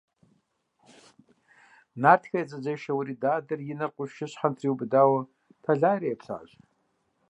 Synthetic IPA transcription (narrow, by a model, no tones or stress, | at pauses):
naːrtʰxʲɐjd͡zʼɐd͡ʒɐʃɐwɾidaːdɐrjɪnɐqʷʼʊʃʃɪɕħantʰriwbdaːwɐ | tʰaɮaːɾijːpʰɬa̰ːɕ